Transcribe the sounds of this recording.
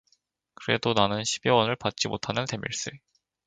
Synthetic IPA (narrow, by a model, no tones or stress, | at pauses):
kɯɾe̞̰donanɯnɕʰibiwʌnɯɭpat̚t͡ɕ͈imotʰanɯnte̞mḭɭs͈e